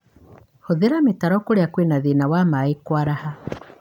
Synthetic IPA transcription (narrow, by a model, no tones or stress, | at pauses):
hoðeɾametaɾɔkoɾeakwenaðinawamaekwaɾaha